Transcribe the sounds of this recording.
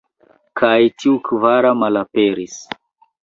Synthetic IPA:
kʰajtʰiukvaɾamalape̞ɾis

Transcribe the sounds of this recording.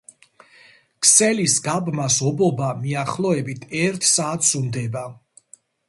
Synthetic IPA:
kʰsɛlisɡabmasɔbɔbamiaχlˠɔɛbit̪ʰɛɾt̪ʰsaːt̪ʰsund̪ɛba

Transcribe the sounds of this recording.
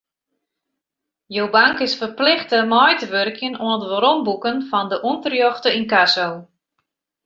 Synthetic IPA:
jowbaŋkɪsfərplɪxtəmɔjtəʋørkʰjənoənətʋəɾɔmbukənfɔndəʔuntərjɔxtəinkasow

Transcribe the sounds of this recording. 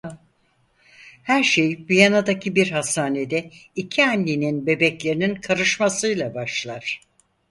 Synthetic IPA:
hæɾʃejbijanad̪acʰibiɾhasaːned̪ɛicʰianːʲininbe̞bɛclʲe̞ɾininkʰaɾɯʃmasɯjlˠabaʃlˠaɾ̥

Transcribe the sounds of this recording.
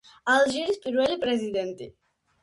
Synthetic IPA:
alʒiɾispiɾwɛlipɾezid̪ɛnt̪i

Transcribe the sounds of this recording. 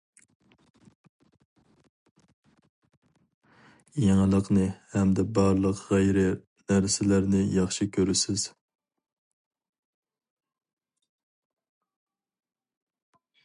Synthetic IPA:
jeŋlˠəqnɨhɛmd̪ɛbɑɾlˠəqʁɛjɾɪ | næɾsɪlæɾnɪjɑχʃɪkʲʰøɾɪsɪz̥

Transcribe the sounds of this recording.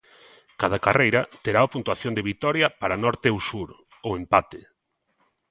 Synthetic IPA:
kað̞ɐkarejɾɐt̪eɾaopunt̪waθjond̪eβit̪ɔɾjɐpaɾanɔɾt̪eusuɾ | oempat̪e

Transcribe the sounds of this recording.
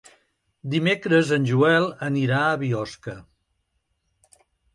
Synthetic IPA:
d̪imekɾəzənʲʒuɛlˠəniɾaəβiɔskə

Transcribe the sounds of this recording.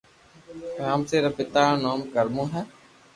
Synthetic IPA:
kɾaːmseːɾəpɪt̪ãːnoːmkəɾmũːɦɛː

